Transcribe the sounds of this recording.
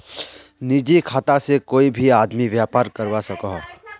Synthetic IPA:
nid͡ʒikʰaːt̪asekoːibʱiaːd̪miʋjaːpaːɾkəɾwasɐkaɦ

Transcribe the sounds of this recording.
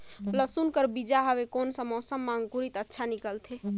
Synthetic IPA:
pləsunkəɾbid͡ʒaɦəʋekoːnsəmɔsəmːãŋɡkuɾit̪ətːʃʰanikəlt̪ʰe

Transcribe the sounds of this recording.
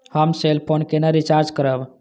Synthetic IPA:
həmselpʰonkenəɾit͡ʃaɾd͡ʒkəɾəb

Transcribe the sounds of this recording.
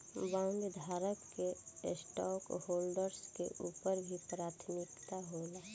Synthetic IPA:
bãːŋɡd̪ʱaːɾəkːesʈɔːkhoːlɖəɾskḛʔuːpəɾbʱipɾaːt̪ʰmɪkt̪aɦoːlaː

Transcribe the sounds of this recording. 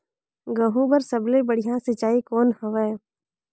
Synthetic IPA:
ɡəɦũbəɾsəblebəɽ̤ijãsɪt͡ʃaːikɔːnhəʋɛː

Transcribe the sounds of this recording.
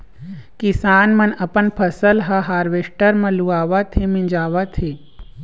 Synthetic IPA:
kisaːnmɐnɐpənpʰɐsəlɦɐɦaːɾʋeːʂʈəɾmɐ̃luaːʋat̪ʰemind͡ʒaːʋat̪ʰeː

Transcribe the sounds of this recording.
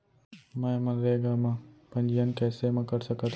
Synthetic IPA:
mãẽmə̃nɾeːɡaːmãːpɐ̃ɲd͡ʒiənkɛːsemãːkəɾsəkət̪

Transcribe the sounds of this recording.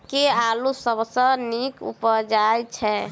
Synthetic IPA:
kealusəbʱsə̃nikṵpəd͡ʒajt͡ʃʰɛ

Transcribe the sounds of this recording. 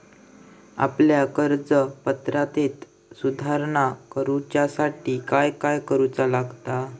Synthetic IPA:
a̰pljakəɾd͡zəpət̪ɾat̪et̪ | sud̪ʱaɾɳakəɾut͡ɕjasaʈikajkajkəɾut͡salaɡt̪a

